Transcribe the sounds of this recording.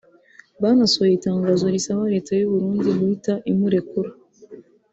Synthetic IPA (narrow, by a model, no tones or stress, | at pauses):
βanasojitaːŋɡaːzoɾisaβaɾe̞ːtajuβuɾuːndiβuhitaʔimuɾe̞kuɾa